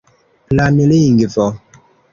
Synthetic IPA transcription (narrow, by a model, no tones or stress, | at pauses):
planeleiŋɡifɔ